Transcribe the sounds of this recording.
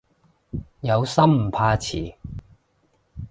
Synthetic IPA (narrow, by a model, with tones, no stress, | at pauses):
jɐ˨˧wsɐ˥mm̩˨˩pʰaː˧t͡sʰḭː˨˩